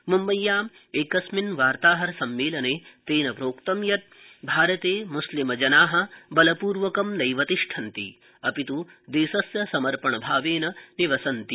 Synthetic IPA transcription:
mumbɐjːaːm | eːkɐsminʋaːɾt̪aːɦɐɾɐsɐmːeːlɐneːt̪eːnɐpɾoːkt̪ɐmjɐt̪̚ | bʱaːɾɐt̪eːmuslimɐd͡ʒɐnaːɦɐ̆bɐlɐpuːɾʋɐkɐmnɐjʋɐt̪iʂʈʰɐnt̪ḭ | ɐpit̪ud̪eːsɐsjɐsɐmɐɾpɐɳɐbʱaːʋeːnɐniʋɐsɐnt̪i

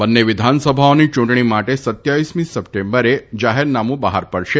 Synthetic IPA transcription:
bənːeʋɪd̪ʱansəbʱaonit͡ʃũɳʈɳ̃imaʈesət̪jaʋismĩsəp̚ʈembəɾed͡ʒaɦeɾnamũbaɦaɾpəɽʃe

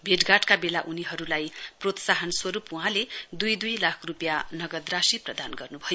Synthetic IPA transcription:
bʱeʈɡaʈkabelaʔuniɦʌɾulajprot̪saɦʌnswʌɾupuɦãled̪ujd̪ujlakʰrupjanʌɡʌd̪rasiprʌd̪anɡʌrnubʱʌjo

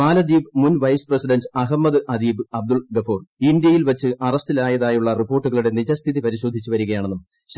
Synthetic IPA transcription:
maːlɐd̪iːbmunʋɐjsprɐsiɖɐndɐɦɐmːɐðɨʔɐd̪iːbɨɐb̚d̪uɭɡɐfoːrind̪jɐjilʋɐt͡ɕːɨʔɐrɐstilaːjɐðaːjuɭːɐripːo̞ːrʈːuɣɐɭuɽe̞nid͡ʑɐst̪ʰiðipɐɾiɕo̞ːd̪ʱit͡ɕːuʋɐɾuɣɐjaːɳe̞nːum | ɕ

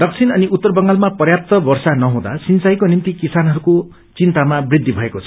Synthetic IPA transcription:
d̪ʌk̚t͡sʰinʌniʔut̪ːʌrbʌŋɡalmapʌrjap̚t̪ʌbʌrsanʌɦũd̪a̰sint͡sajkonint̪ikisanɦʌɾuko | t͡sint̪amabrid̪ʱːibʱʌekot͡sʰʌ̥

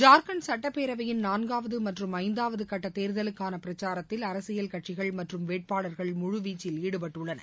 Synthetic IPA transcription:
d͡ʒaːɾkɐnsɐʈːɐpːeːɾɐʋɐjɪnnaːnɡaːʋɐðɯmɐʈrɯmɐɪnd̪aːʋɐðɯkɐʈːɐt̪eːɾðɐlɯkːaːnɐpɪɾɐt͡ʃːaːɾɐt̪ːɪlɐɾɐsɪjɐlkɐʈt͡ʃɪɣɐɭmɐʈrɯmʋeːʈ̚paːɭɐɾɣɐɭmʊɻʊʋiːt͡ʃːɪliːɽɯpɐʈːɯɭːɐnɐ̰

